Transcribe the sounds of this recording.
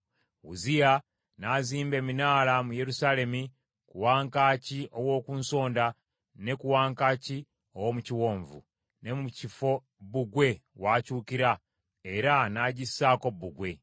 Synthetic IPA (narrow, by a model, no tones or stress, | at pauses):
ṵzija | naziːmbe̞ːminaːlamuje̞ɾusale̞mi | kuwaːŋkaːciʔo̞wo̞ːkuːnso̞ːnda | ne̞kuwaːŋkaci | o̞womuciwo̞ːɱvṵ | ne̞mucifo̞ | buɡwe̞waːcuːkiɾa | eɾanaɟisːaːko̞bːuɡwe̞